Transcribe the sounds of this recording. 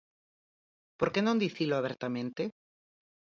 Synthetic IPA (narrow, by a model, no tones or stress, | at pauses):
poɾkenõnd̪iθiloaβeɾt̪amẽnt̪e